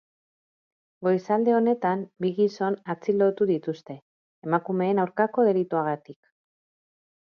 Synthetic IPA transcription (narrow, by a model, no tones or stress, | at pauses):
ɡo̞jsald̪e̞o̞ne̞t̪ambiɣiso̞nat͡silo̞t̪uðit̪ust̪e̞ː | makume̞ːnawɾkako̞ðe̞lit̪uaɣ̞at̪ik